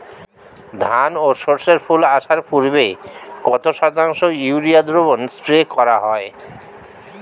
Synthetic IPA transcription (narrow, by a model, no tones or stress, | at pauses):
d̪ʱanoʃoɾseɾpʰulaʃaɾpuɾbekɔt̪oʃɔt̪aŋʃojuɾiad̪ɾobonspɾekɔɾaɦɔe